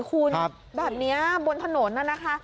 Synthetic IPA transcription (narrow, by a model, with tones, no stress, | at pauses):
kʰu˧n˦˥p | bɛː˨˩p̚ni˦˥ɐbo˧nt̪ʰa˧no˩˦nːa˧˩na˦˥kʰa˦˥ʔ